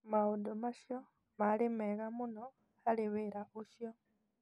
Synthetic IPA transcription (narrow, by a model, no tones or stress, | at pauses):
maodomaʃjo | malimɛɣamunɔ | aliβeɾauʃjɔ